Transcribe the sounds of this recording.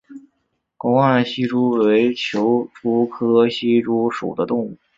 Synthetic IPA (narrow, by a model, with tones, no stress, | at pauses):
kɑ˥ŋwɑ˥˩ɕi˥ʈ͡ʂu˥we˧˥ɪt͡ɕʰjo˧˥ʊʈ͡ʂu˥kʰɤ˥ɕi˥ʈ͡ʂu˥ʂṵ˨˩d̪ə˦t̪ʊ˥˧ŋu˥˩